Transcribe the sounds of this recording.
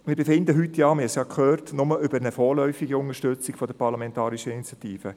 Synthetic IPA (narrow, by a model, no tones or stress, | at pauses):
mɪːɾbefɪnd̪əɦytjɑːmɪsjɑkʰχøːrtnʊməʔʏbəɾnəfɔːɾlœʏfiɡiʊnəʃtøt͡sɪkfɔd̥̪əpɑɾlɑmɛntɑːɾiʃəinit͡sjɑtiːfə